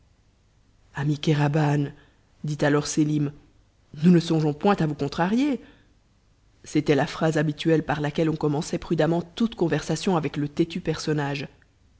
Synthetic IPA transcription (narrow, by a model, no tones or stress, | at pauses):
amikaʁaban | d̪it̪alɔʁselim | nunəsɔ̃ʒɔ̃pwɛ̃t̪avukɔ̃t̪χaʁje | set̪ɛlafχazabit̪yɛlpaʁlakʲɛlɔ̃kɔmɑ̃sɛpχyd̪amɑ̃t̪ut̪kɔ̃vɛʁsasjɔ̃avɛklət̪et̪ypɛʁsɔnaːʒ